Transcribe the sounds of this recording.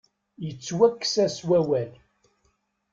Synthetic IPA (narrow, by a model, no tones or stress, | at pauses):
jət͡sːwækːsæswæwæl